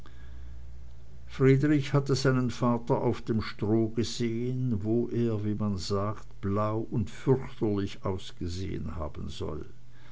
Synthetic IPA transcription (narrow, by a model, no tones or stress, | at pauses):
fʁ̥iːdʁɪçhatəzaɪnənfaːtɐʔaʊfd̥eːmʃtʁ̥oːɡəzeːənvoːʔeːɐviːmanzaːktb̥laʊʔʊntfʏʁçtɐlɪçʔaʊsɡ̥əzḛːə̰nha̰ːbn̩zɔ̰l